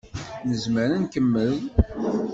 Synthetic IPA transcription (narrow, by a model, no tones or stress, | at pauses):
nəzməɾənkəmːəð